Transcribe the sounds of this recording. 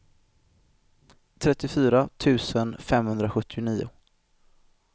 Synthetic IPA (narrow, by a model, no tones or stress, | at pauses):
t̪ʰɾɛt̪ːɪfyːɾat̪ʰʉ̟ːsənfɛmhɵnd̪ɾaɧɵt̪ʰːɪʊniːʊ̰